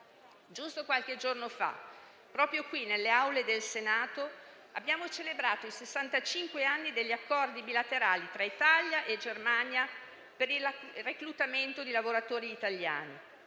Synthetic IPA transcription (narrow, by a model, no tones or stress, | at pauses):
d͡ʒust̪okwalked͡ʒornofa̰ | pːɾɔːpɾjokwinelːeawled̪elsenaːt̪o | abːjaːmot͡ʃelebɾaːt̪oisesːant̪at͡ʃiŋkweanːid̪eʎːiakːɔrd̪ibilat̪eɾaːlit̪ɾait̪aljaʔed͡ʒermaɲja | peɾilreklut̪ament̪od̪ilavoɾat̪oːɾiːt̪aʎːja̰ːni